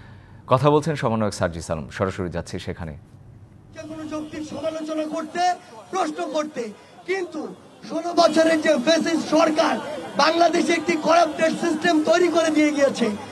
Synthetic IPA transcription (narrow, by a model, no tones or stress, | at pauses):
kɔt̪ʰabolt͡ɕʰenʃɔmanːoeksaɾd͡ʑisa̰lo̰mʃɔɾaʃoɾid͡ʑatːɕʰeʃekʰanḛ | kekonod͡ʑok̚t̪iɾʃɔmalot͡ɕonakoɾt̪epɾosnokoɾt̪e | kint̪u | ʃolobɔt͡ɕʰoɾeɾd͡ʑefesid͡ʑʃɔɾkaɾbaŋlad̪eʃek̚ʈikɔɾap̚ɖeʈsisʈemt̪ojɾikoɾed̪ijeɡijet͡ɕʰe